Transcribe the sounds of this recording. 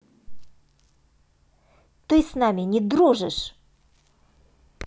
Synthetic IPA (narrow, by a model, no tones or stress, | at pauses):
t̪ɨsnamʲɪnʲɪd̪ɾuʐɨʂ